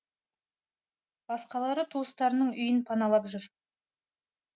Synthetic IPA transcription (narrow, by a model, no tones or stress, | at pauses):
b̥ɑsqɑlˠɑɾət̪ʰust̪ɑɾənəɴʏjɪnpʰɑnɑlˠɑpʒʏɾ